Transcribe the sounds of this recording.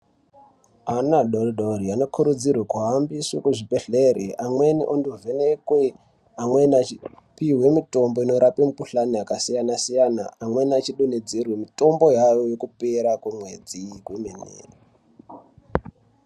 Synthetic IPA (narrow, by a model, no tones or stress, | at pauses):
anaɗoriɗoɾiano̞kʰuɾud͡zirwekuɦambiswukuʐibeɬeɾeʔamwe̞nḭʔonduvenekwe | amwenat͡ʃi | piɦwe̞mito̞mboino̞ɾʔapemukuɬanoakasijanasijana̰ːmwe̞nat͡ʃiɗuned͡zirwemito̞mbo̞jajojokupe̞ɾakwumwe̞d͡zikwumenḛːri